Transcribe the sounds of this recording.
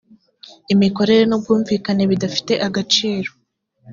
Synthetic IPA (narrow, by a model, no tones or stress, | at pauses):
imiko̞ɾe̞ɾe̞nob̚ɡuːɱviːkane̞βidafi̥te̞ʔaɡat͡ʃiːɾo